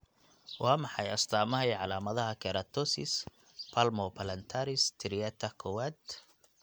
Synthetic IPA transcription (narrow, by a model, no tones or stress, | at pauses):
wɑːmɑħɑjɐst̪ʰaːmɐɦɛjʕɑlaːmɐðɐɦɐkʰɛɾɐt̪ʰɔsɪ̰s | pʰalmɔpʰɐlɐnt̪ʰaɾɪst̪ʰɪɾijɛt̪ʰɐkʰɔwaːd̪